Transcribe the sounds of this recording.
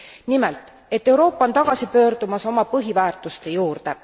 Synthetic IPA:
nimɛlt̪ˑ | e̞t̪ːˑe̞wɾo̞ːpːˑɑont̪ɑɡ̥ɑsipø̞ːrd̪̥umɑso̞mɑpɤɦivæːrt̪ˑust̪e̞juːrd̪̥e̞

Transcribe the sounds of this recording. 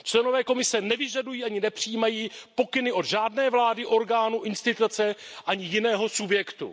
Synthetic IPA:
t͡ʃlɛno̞vɛːko̞mɪsɛnɛvɪʒadujiːʔaɲɪnɛpr̥ijiːmajiːpo̞kɪnɪʔo̞d̪ʒaːdnɛːvlaːdɪʔo̞ɾɡaːnuʔɪnst̪ɪt̪ut͡sɛʔaɲɪjɪnɛːɦo̞subjɛkt̪ṵ

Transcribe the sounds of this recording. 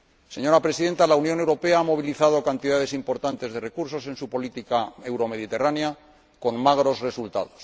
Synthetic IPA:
se̞ɲo̞ɾapɾe̞siðe̞nt̪alaunjo̞ne̞wɾo̞pe̞aamo̞β̞iliθað̞o̞kant̪iðað̞e̞simpo̞ɾt̪ant̪e̞zðe̞re̞kuɾso̞se̞nsupo̞lit̪ikae̞wɾo̞me̞ð̞it̪e̞ranea | ko̞nmaɣ̞ɾo̞zre̞sult̪a̰ðo̞s

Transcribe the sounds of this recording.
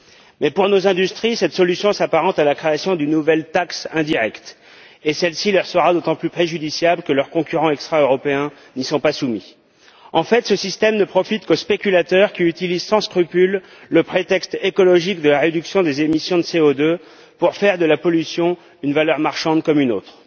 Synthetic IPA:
mɛpuʁnozɛ̃d̪yst̪χisɛt̪sɔlysjɔ̃sapaʁɑ̃t̪alakχeasjɔ̃d̪ynːuvɛlt̪aksɛ̃d̪iʁɛkt̪ | esɛlsilœʁsəʁad̪ot̪ɑ̃plypχeʒyd̪isjablkəlœʁkɔ̃kʲyʁɑ̃ɛkst̪χaøʁɔpeɛ̃ | nisɔ̃pasumi | ɑ̃fɛt̪səsist̪ɛmnəpχɔfit̪kospekʲylat̪œʁkʲiyt̪ilizsɑ̃skχypylː | əpχet̪ɛkst̪ekɔlɔʒikd̪əlaʁed̪yksjɔ̃d̪ezemisjɔ̃d̪əseod̪ø | puʁfɛʁd̪əlapɔlysjɔ̃ | ynvalœʁmaʁʃɑ̃d̪kɔmynot̪χ

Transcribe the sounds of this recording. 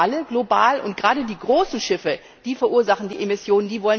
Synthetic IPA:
aləɡlobaːlʔʊ̰nt̚ɡ̥ʁaːdədiːɡʁoːsn̩ʃɪfə | d̥iːfɛɐʔuːɐzaχn̩diːʔemɪsjoːnəndiːvɔlə

